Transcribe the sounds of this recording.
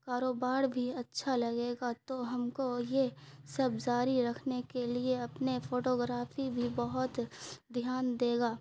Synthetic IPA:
kaːɾoːbaːɾbʱiɐtːʃʰalɐɡeːɡat̪oɦɐmkojesɐbzaːɾiɾɐkʰnekelieɐpnefʰoːʈoːɡɾaːfʰibʱibɐɦʊt̪d̪ʱjaːnd̪eːɡaː

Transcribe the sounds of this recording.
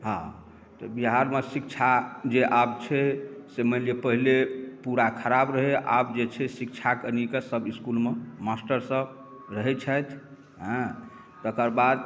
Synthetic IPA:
ɦã | t̪ɔbiɦaɾmesikt͡ʃʰad͡ʒeʔab̚t͡ʃʰɛseməlepəɦilepuɾakʰəɾabɾəɦeʔa̰bd͡ʒet͡ʃʰɛsikt͡ʃʰakənikesəbiskulmemasʈəɾsə̃ | ɾəɦɛt͡ʃʰəjt̪ʰ | ɦə̃ | t̪əkəɾbad̪

